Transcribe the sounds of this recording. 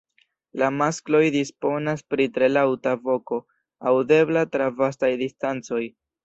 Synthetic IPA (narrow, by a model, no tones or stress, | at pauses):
lamasklo̞jdispo̞naspɾitɾe̞lawtavo̞ko̞ | awde̞blatɾavas̬tajdistant͡so̞j